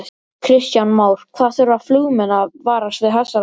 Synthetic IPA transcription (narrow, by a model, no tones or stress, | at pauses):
kʰɾɪst̪janmaːwɾ̥kʰvaðθɛɾaðflʏɣmɛnavaːɾast̪vɪðɦɛsːa